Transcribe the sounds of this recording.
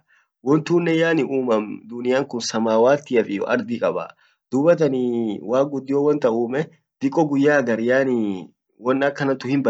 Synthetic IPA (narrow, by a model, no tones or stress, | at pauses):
wɔnt̪uːnːɛjaːnɪʔuːmɐmd̪ʊnɪjaːŋkʊnsɐmaːwaːt̪ːɪɐfɪjɔ̰ʔɐ̰ɾd̪ɪkʼɐba̰ | d̪ʊbɐt̪ɐniwaːk̚ɡʊd̪ːɪjoːwɐnt̪ɐuːmɛ | d̪̥ɪkʼːɔɡʊjːaːɡɐɾjaːni | wɔnːɐkːɐnɐt̪ʊhɪmbɐ